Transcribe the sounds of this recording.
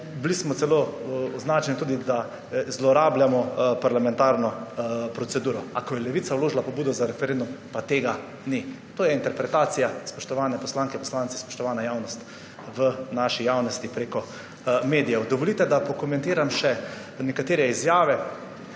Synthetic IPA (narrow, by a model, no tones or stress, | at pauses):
blismɔt̪sɛloɔznaːt͡ʃɛnit̪ud̪id̪a | zlɔɾaːbljamɔpaɾlamɛ̃nt̪aːɾnɔpɾɔt̪sɛd̪uːɾɔakɔjɛlɛʋit̪sawloːʒlapɔbuːd̪ɔzaɾɛfɛɾẽnd̪umpat̪eːɡa | ni | t̪oːjɛint̪ɛɾpɾɛt̪aːt̪sijaspɔʃt̪ɔʋaːnɛpɔslaːŋkɛpɔslaːnt̪si̥spɔ̥ʃt̪ɔʋaːnajawnɔst̪ | ʋənaʃijaːwnɔst̪ipɾekɔ | meːd̪ijɛwd̪ɔʋɔlit̪ɛd̪apɔkɔmɛ̃nt̪eːɾamʃɛ | nɛkat̪eːɾɛizjaːʋɛ